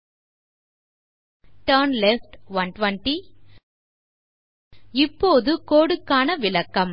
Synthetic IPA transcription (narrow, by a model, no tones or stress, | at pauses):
ʈɐɾnlefʈʋɐnʈʋɐɳʈi | ɪpːoːðɯkoːɽɯkːaːnɐʋɪlɐkːɐm